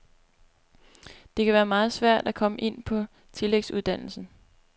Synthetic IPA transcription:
d̥e̝kʰæʋæːɐmɑ̈ːð̞̩ˠsʋæɐ̰d̥ækʰɒ̽məʔe̝n̰pʰɒ̽ | t͡sʰe̝leɡ̥suðˠd̥æn̰l̩sn̩

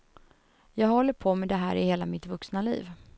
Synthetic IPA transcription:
jɑːɡhɔlːəɾpʰoːmɛd̪ɛɦæ̰ːɾɪheːlamɪt̪vɵksnalḭːv

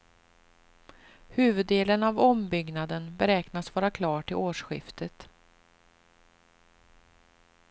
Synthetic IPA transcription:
hʉ̟ːvɵd̪ːeːlənavɔmbʏɡnad̪ənbɛɾɛːknasvɑːɾakʰlɑːʈʰɪloːʂɧɪ̰ft̪ʰət̪

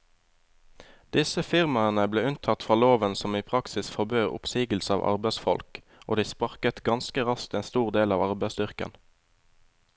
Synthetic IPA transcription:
d̪̥ɪsəfɪʁmɑənəbleːʉnt̪ʰɑt̪fʁɑːloːʋənsɔmiːpʰʁɑksɪsfɔʁbøːʁʊ̰psiːɡəl̩səɑ̰ːʋʔɑ̰ʁbæɪsfɔ̰lk | o̰ːd̪iːspɑʁkət̪ɡɑnskəʁɑskt̪eːnst̪uːʁd̪eːlɑːʋɑʁbæɪsd̪ʏʁkə̰n

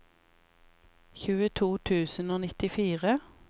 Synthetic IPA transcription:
çʉːət̪ʰuːt̪ʰʉːsənoːnɪt̪ɪfiːʁə

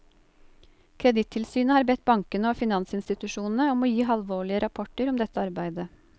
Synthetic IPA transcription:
kʰɾɛd̪ɪt̪ʰːɪlsyːnəhɑːɾbɛt̪̚bɑŋkənəoːfɪnɑnsɪnst̪ɪt̪ʉʃuːnn̩əɔmoːjiːɦɑlʋoːɭɪəɾɑpʰɔʈəɾɔmd̪ɛt̪ːəɑɾbæɪd̪ə

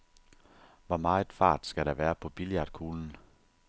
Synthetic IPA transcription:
ʋɒmɑ̈ːe̝d̥fɑ̰̈ːd̥sɡ̥æɾ̥ɑʋæːɐpʰɒ̽b̥iljɑ̈d̥̚kʰuːln̩

